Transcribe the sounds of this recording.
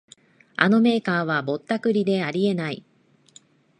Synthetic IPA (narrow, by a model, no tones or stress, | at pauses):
a̰no̞me̞ːkaːβ̞abo̞t̪ːakɯ̟ɾʲid̪e̞aɾʲie̞nai